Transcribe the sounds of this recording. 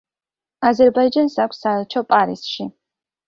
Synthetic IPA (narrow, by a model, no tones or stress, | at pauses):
azɛɾbaid͡ʒansakʷsaɛlˠt͡ʃʰɔpʼaɾḭsʃi